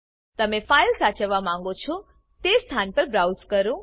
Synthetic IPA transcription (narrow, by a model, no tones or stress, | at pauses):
t̪əmefajlsat͡ʃəʋːamãŋ̆ɡot͡ʃʰɔ | t̪est̪ʰanpəɾbɾawzkəɾũ